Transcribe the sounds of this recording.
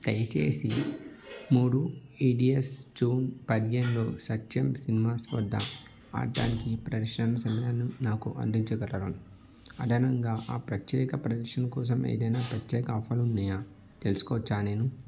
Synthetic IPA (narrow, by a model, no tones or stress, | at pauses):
t̪ɐjɐt͡ʃḛːsi | muːɽuiːɖiesd͡ʒuːnpɐd̪ijenlo̞ːsɐt͡ʃːɐmsinimaːsʋɐ̰d̪ʱːɐ̰ | a̰ːɾʈa̰ːnikipɾɐdɐʂɐnɐsɐmɐjaːnunaːkuʔɐ̰nd̪iɲt͡ʃɐɡɐɾɐɾɐnu | ɐd̪ʱɐnɐŋɡaːʔaːpɾɐt̪jɛːkɐpɾɐd̪ɐɾʂɐnɐkɔːs̬ɐmḛːd̪ɐjnaːpɾɐt̪jɛːkɐapʰɐlunːɐjaː | t̪elusu̥kɔːɐt͡ʃːaːneːnu